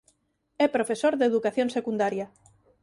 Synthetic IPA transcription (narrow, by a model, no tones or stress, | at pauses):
ɛpɾofesoɾðeðukaθjonsekund̪aɾja